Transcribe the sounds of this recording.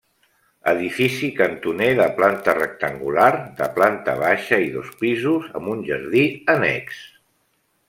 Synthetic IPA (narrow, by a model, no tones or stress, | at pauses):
əðifisikənt̪uneðəplant̪ərək̚t̪əŋɡulaɾðə̰plant̪ə̰β̞aʃəiðospizuzə̰mbunʲʒəɾðiənɛ̰ks